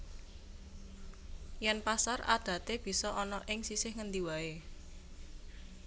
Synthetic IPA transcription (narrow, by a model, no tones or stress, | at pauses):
jɛnpasara̰d̪̥ä̤t̪eb̥i̤sɔʔɔnɔʔɪŋsisɪhŋənd̪iwae